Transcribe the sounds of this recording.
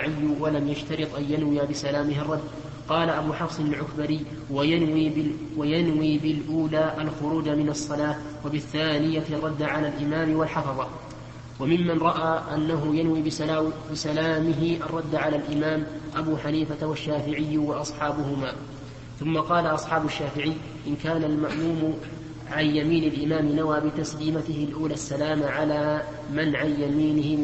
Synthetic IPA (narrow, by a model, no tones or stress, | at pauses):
ʕɪjːʊwalamjaʃt̪ɑɾɨt̪ˤʔanjanwɪjabɪsalaːmɪɦɪrˤːɑd̪ː | qɑːlaʔabuːħɑfsˤɨnalʕʊkbaɾiː | wajai | wajanwiːbɪlʔuːlaːʔalxʊɾuːd͡ʒamɪnɑsˤːɑlaː | wabɪθːaːnɪjarˤːɑd̪ːʕalaːlʔɪmaːmɪwalħɑfɑðˤɑ | wamɪmːanɾˤɑʔaːʔanːaɦʊjanwiːbɪsalaːmɪɦɪʔarˤːɑd̪ːaʕalaːlʔɪmaːmʔabuːħaniːfat̪awaʃːaːfɪʕɪjːʊwɑʔɑsˤħɑːbʊhʊmaː | θʊmːɑqɑːlaʔɑsˤħɑːbʊʃːaːfɪʕɪjː | ʔɪnkaːnalmaʔmuːmʊ | ʕanjamiːnɪlʔɪmaːmɪnawaːbɪt̪asliːmat̪ɪhɪlʔuːlaːsːalaːmaʕalaː | manʕanjamiːnɪhɪ